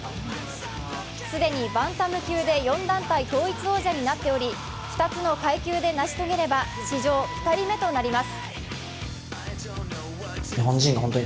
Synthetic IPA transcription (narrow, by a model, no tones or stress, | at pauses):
sɨd̪e̞ɲ̟ibãnt̪amɯ̟kʲɨːd̪e̞jõ̞nd̪ãnt̪ait̪o̞ːit͡sɨo̞ːʑaɲ̟inat̪ːe̞o̞ɾʲi | ɸɯ̥t̪at͡sɨno̞kaikʲɨːd̪e̞naɕi̥t̪o̞ɡe̞ɾe̞ba | ɕiʑo̞ːɸɯ̥t̪aɾʲime̞t̪o̞naɾʲimasɨ̥ | ɲiɦõ̞ɲ̟d͡ʑĩŋɡahont̪oɲ